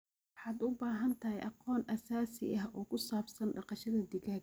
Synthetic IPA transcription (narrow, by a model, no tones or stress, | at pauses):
wħɑːd̪ʊbaːɦɐnt̪ʰɐɦɛjʔɑqɔːnʔɐsaːsɪ̰ʔɐɦɔːkʰʊsaːbsɐnɖɑqɑʃɐðɐd̪ɪɣaːɡ